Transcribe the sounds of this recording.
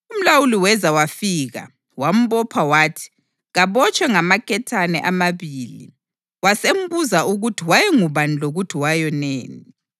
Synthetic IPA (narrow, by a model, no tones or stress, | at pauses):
um̩lawuliwɛzawafiːɣa̰ | wam̩βɔpʰawaːtʰi̥ | ɣaβɔt͡ʃʼwɛŋamakʰʼɛtʰanɛ̰ʔamaβiːlḭ | wasem̩buzaʔuɣutʰiwajɛŋuβaniloɣutʰiwajɔneːni